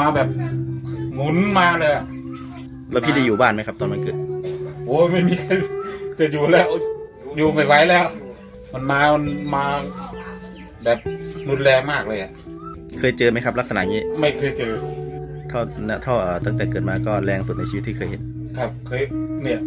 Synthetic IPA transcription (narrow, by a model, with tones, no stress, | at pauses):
aː˧bɛː˨˩p̚ | ŋu˨˦nmaː˧lɤː˧jʔa˨˩ʔ | lɛː˦˥wpʰiː˥˩da˧˩juː˨˩baː˥˩nma˦˥jkʰa˦˥p̚t̪ɔ˧nma˧kɤː˨˩t̪̚ʔoː˨˧˦ma˥˩jmiː˧kʰa˧jt͡ɕa˧˩juː˨˩lɛː˦˥˩w | juː˨˩ma˥˩jwa˧˥˩jlɛː˦˥˩w | ma˧˩nmaː˧ma˧nmaː˧ | bɛː˨˩p̚nu˧nlɛː˧ŋmaː˥˩k̚lɤː˧jʔa˨˩ʔ | kʰɤː˧jt͡ɕɤː˧ma˦˥jkʰa˦˥p̚la˦˥k̚sa˧na̰˨˩ʔŋiː˦˥ma˥˩jkʰɤː˧jt͡ɕɤː˧t̪ʰa˥˩wna˦˥t̪ʰa˥˩wʔəː˨˩t̪a˥˩ŋt̪ɛː˨˩kɤː˨˩t̪̚maː˧kɔː˥˩lɛː˧ŋsu˨˩na˧t͡ɕʰi˧˦t̪ʰːiː˥˩˧jhe˨˦n | kʰa˦˥˩p̚kʰɤː˧jni˧˩ɐ